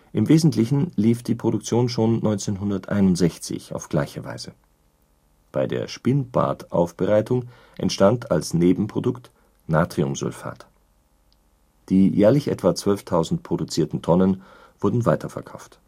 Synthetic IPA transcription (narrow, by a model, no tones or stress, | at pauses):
ʔɪmveːzn̩tlɪçn̩liːfd̥iːpʁ̥odʊk̚t͡sjoːnʃoːnːɔʏnt͡seːnɦʊndɐtʔa̰ɪnʊntz̥ɛçt͡sɪ̰ça̰ʊfɡ̥laɪçəva̰ɪzə | b̥aɪdḛːɐʃpɪnb̥a̰ɐtʔa̰ʊfb̥əʁaɪtʊŋ | ʔɛ̰ntʃtantʰa̰lsneːbm̩pʁ̥odʊkt | naːtʁ̥iʊ̰mzʊ̰lfa̰ːt | d̥iːjɛːɐlɪçʔɛ̰tv̥at͡sv̥œlftʰaʊzn̩tpʰʁ̥odʊt͡siːɐtn̩tʰɔnən | v̥ʊɐdn̩vaɪtʰɐfɛɐkʰaʊft